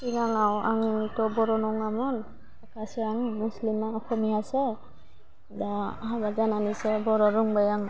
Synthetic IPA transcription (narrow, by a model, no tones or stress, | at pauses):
kiɡaŋawaŋtɔbɔɾɔnɔŋamɔn | akasɛaŋmuslimaɔxɔmiasɛ | dahabazananisɛbɔɾɔɹuŋbajaŋ